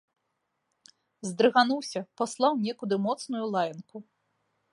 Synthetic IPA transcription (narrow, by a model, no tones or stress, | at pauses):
zd̪ɾɨɣanuwsʲɐpaslˠawnʲɛkud̪ɨmɔt̪snujulˠajɐnku